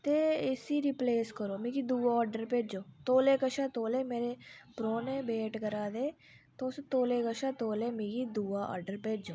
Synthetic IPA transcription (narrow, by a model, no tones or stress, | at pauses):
t̪eːɪsiːɾipleːskəɾoːmĩːkid̪uːʋaɔːɾɖəɾpeːd͡ʒoːt̪oːleːkəʃaːt̪oːleːmeːɾepɾoːnẽːbeːʈkəɾaːd̪eː | t̪oːst̪oːleːkəʃaːt̪oːleːmĩːkid̪uːʋaɔ̰ːɾɖəɾpeːd͡ʒõː